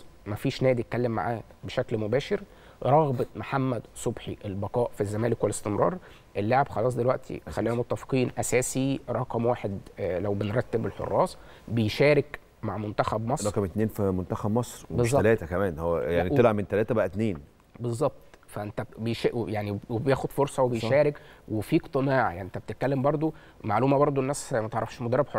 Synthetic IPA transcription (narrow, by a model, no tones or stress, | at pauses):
mæfiːʃnæːd̪iet̪kælːemːa̰ʕæ̰ːh | beʃæklmobæːʃeɾ | ɾˤɑɣbɑmaħamːæd̪sˤobħiʔelbɑqɑːʔfizːæmæːlekwelest̪emɾˤɑ̰ːɾˤ | ʔelːaʕebxɑlˤɑːs̬ˤd̪elwæʔt̪ʰḭxælːiːhomot̪ːæfqiːnʔæsæːsiɾˤɑqɑmwaːħed̪læwbenɾˤɑt̪ːebelħo̰rˤːɑːsˤ | bejʃæːɾek | maʕmont̪æxæbmɑsˤɑɾkæmet̪neːnfimont̪æxæbmɑsˤɾbezˤːɑælæːt̪ækæmæːnhowːæjaʕnielʕabment̪ælæːt̪æbæʔæt̪neːn | bezˤːɑb̚t̪ˤfæʔent̪æbejʃjaʕniwebjæːxod̪foɾsˤɑwebejʃæːɾekwefiːkt̪ˤenɑːʕja̰ʕnient̪æb̚t̪e̥t̪̚kælːembɑɾˤd̪ˤo | maʕluːmæbɑɾˤd̪ˤoʔenːʔæsmæt̪eʕɾˤɑfʃmod̪ɑrˤːebħor